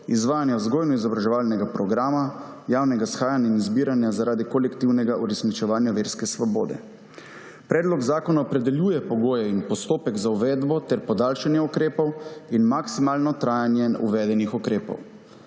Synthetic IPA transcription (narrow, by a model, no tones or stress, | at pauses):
izʋaːjanjɛɔzɡoːjnɔizɔbɾaʒɛʋalnɛɡapɾɔɡɾaːmajaːwnɛɡasxaːjanainizbiːɾanjazaɾaːd̪ikɔlɛkt̪iwnɛɡaʔuɾɛsnit͡ʃɛʋaːnjaʋeːɾskɛsʋɔbo̰ːd̪ɛ̰ | pɾɛːd̪lɔɡzaːkɔnaɔpɾɛd̪ɛljuːjɛpɔɡoːjɛinpɔst̪oːpɛɡzauʋɛːd̪bɔt̪ɛɾpɔd̪aːlʃanjɛukɾeːpɔwinmaksimaːlnɔt̪ɾaːjanjɛṵʋɛd̪ɛnixɔkɾeːpɔ̰w